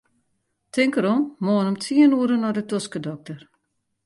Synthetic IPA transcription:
tʰɪŋkəɾommoːənomtiənuəɾənɔdətoskədɔk̚tər

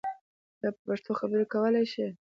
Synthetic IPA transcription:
d̪ɑpəpaʂt̪oxabəɾekawəlajʃi

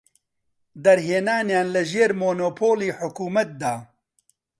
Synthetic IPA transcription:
d̪ɐɾɦeːnaːnjaːnlɨʒeːɾmoːnoːpʰoːliːħʊkuːmɐt̪̚d̪aː

